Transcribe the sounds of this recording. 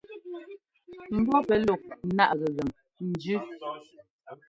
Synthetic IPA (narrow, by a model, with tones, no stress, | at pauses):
m̩˨bɔ˦pɛ˨lo˨k̩̚˦na˦ʔɣə˨ɣə˨ŋ | n̩˨d͡ʒʉ˦